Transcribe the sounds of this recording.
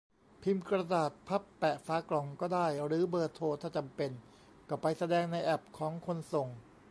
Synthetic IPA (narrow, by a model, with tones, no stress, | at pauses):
pʰi˧mkɾa˧daː˨˩t̪̚pʰa˦˥pːɛ˨˩ʔfaː˨˦˥klɔ˨˩ŋkɔː˥˩daː˥˩jɾɯː˩˦bɤː˧t̪ʰoː˧t̪ʰaː˥˩t͡ɕa˧mpe˧n | kɔ˧˩pa˧jsa˧dɛː˧ŋna˧jʔɛ˨˩p̚kʰɔː˩˦ŋkʰo˧nso˨˩ŋ